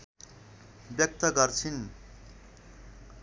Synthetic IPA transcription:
bjʌk̚t̪ʌɡʌrt͡sʰin

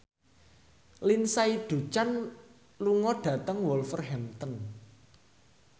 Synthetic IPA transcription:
linsaid̪̥ṳt͡ʃan | luŋɔɖ̥ä̤t̪əŋwɔlfərɦɛmt̪ən

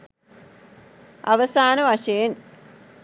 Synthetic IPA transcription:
aʋəsaːnəʋaʂɐjen

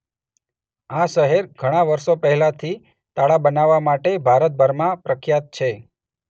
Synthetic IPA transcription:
aʃəɦeɾɡʱəɽ̃aʋəɾʃopəɦɛlat̪ʰi | t̪aɭabənaʋːamaʈebʱaɾət̪̚bʱəɾmãpɾəkʰjat̪̚t͡ʃʰe

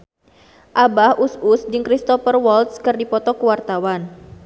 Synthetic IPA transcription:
ʔabahʔususdɨŋkɾist̪ɔfərwɔlt̪skɨrdipɔt̪ɔkəwart̪awan

